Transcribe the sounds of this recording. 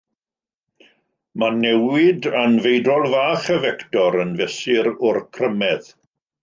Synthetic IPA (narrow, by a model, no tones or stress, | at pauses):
manɛwɪdanvejdrɔlˠvaːχəvɛktɔɾənvɛsɪɾʊrkʰrəmɛð